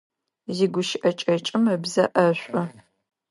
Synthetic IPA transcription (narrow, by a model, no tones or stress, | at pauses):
ziːɡʷʊʃɪʔɐt͡ʃʼɐt͡ʃʼɪmɐbzɐʔɐɕʷʼɐ